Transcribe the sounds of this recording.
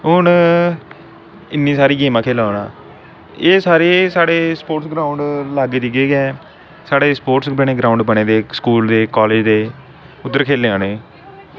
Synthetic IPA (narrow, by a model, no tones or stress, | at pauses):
ʊn | ɪnːĩːsaːɾiːɡeːmãːkʰeːlaːnaː | eːsaːɾeːsaːɽeːspoːʈsɡɾaːʊɳɖlaːɡd͡ʒiɡeːɡɛ̃ː | saːɽeːspoːʈsbəɳeːɡɾaːʊɳɖbəɳeːd̪eːskuːld̪eːkɔːleːd͡ʒd̪eː | ʊd̪ːəɾkʰeːleːãːneː